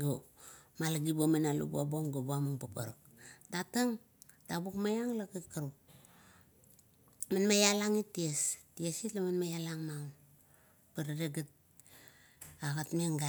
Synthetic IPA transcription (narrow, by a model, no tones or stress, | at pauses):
ɡomalaɡibomenalṵbuaboŋɡobuamuŋpapa̰ɾak̚ | tataŋ | tabukmajaŋlakakaɾuk | manmajalaŋitiestiesitlamanmajalaŋmaun | padaɾeɡat̚ | aɣatmeŋɡa